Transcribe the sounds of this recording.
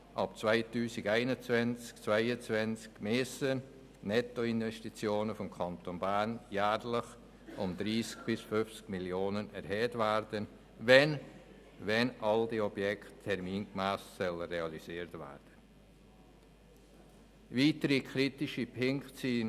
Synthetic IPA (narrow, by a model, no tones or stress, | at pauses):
ʔɑp̚t͡svaɪtyːsiɡæɪnət͡svɛnt͡skt͡svaɪət͡svɛnt͡skmeːsə | nɛtoɪnvɛstit͡sjoːnəfɔmkʰɑntonbæːnjæːɾlɪχ | ʊnd̪̥ɾiːsk̚b̥ɪsfʏft͡skmiljoːnənɛɾhɛːtvæɾd̥ən | vɛn | vɛnɑldiɔbjɛkχtʰːɛɾmiːnkmæːssœləreɑlisiːɾtvæ̰ːɾd̥ə | viːtəɾikʰχɾitɪʃipʰɪŋksiːn